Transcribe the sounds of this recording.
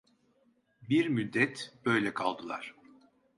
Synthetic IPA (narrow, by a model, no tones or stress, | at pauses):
biɾmyd̪ːɛt̪b̥ø̞jlʲɛkʰalˠd̪ɯlˠa̰ɾ̥